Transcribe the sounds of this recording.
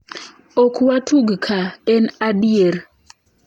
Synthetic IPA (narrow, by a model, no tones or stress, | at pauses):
okʰuwatʰuɡkʰaɛnaɗieɾ